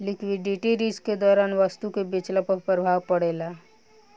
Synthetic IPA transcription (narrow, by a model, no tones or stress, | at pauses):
lɪkwɪɖiʈiɾisked̪ɔːɾaːnʋəst̪ukebɪt͡ʃləpək̚pɾəbʱaːʋpəɽela